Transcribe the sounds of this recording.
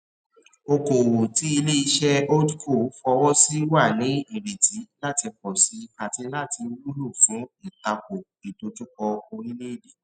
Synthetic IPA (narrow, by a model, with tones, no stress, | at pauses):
o˧ko˨wo˨ti˨˦i˧le˦i˧ʃɛ˦o˦dko˦˨˦fɔ˧wɔ˦si˦wa˦˨nĩ˨˦i˦˨ɾe˨ti˨˦la˦ti˧kɔ˨si˨˧a˨ti˧la˦ti˧ɾu˦lu˦˨fũ˨˦i˨ta˧ko˨ | i˨to˧tu˦kɔ˧o˧ɾi˦le˦i˦˨de˨˦